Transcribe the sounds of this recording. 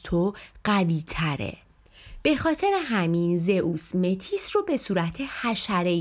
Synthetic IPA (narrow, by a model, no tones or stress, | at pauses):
t̪ʰoɢæviːt̪ʰæɾḛ | b̥e̞xɒːt̪ʰe̞ɾeɦæminze̞ʔuːsme̞t̪ʰiːsrobe̞suːɾæt̪ʰe̞hæʃæɾe